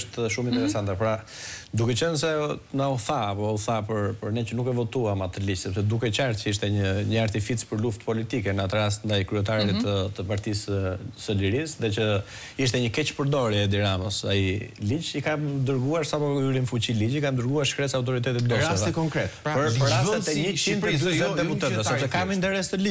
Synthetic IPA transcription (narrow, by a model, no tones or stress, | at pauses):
ʃt̪ʃumint̪ɛɾɛsant̪apɾad̪ukɛt͡ʃənsɛnauθaːpɔuθapəɾpəɾnɛt͡ʃənukɛvɔt̪uamat̪əlid͡ʒsɛpsɛd̪ukɛt͡ʃaɾt̪cəiʃt̪ɛɲəɲəaɾt̪ifit͡spəɾluft̪pɔlit̪ikɛnəat̪əɾast̪nd̪ajkɾyɛt̪aɾit̪ət̪əpaɾt̪isəsəliɾisðɛt͡ʃə | iʃt̪ɛɲəkɛt͡ʃpəɾd̪ɔɾɛɛd̪iɾaməsa̰ilid͡ʒikamd̪əɾɡuaɾsapɔkuɾimfut͡ɕilid͡ʑikamd̪əɾɡuaɾʃkɾɛsawt̪̬ɔɾit̪ɛt̪it̪d̪ɔtaɔsvɛkɔŋkɾɛt̪pəɾpəɾast̪ɛt̪ɛɲət͡ʃinpɾɛɛɛd̪ɛput̪ɛt̪ɛsɛbsɛkamint̪ɛɾɛst̪əli